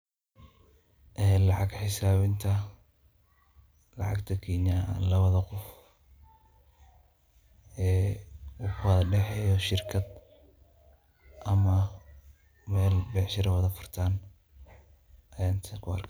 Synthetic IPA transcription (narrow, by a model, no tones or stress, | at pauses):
ʔɛːlɑʕɑɡħɪsaːβɪnt̪ʰɐ | lɑ̰ʕɑ̰ɡt̪ʰɐkʰiːɲalɐβɐðɐqʊf | ɛːuːkʰʊwɐðɐɖɛħɛjɔʃɪrkʰɐd̪ | ʔɐmɐ | mɛːlbɛħʃɪɾɐwɐðɐfʊrt̪ʰaːn | ʔɐjaːnt̪ʰɐkʰʊɐ̰rkʰ